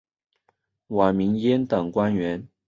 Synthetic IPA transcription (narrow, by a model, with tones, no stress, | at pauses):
wa˨˩mi˧˥ŋjɛ˥nt̪ɤ˨˩ŋkwa˥nɥɛ˧˥n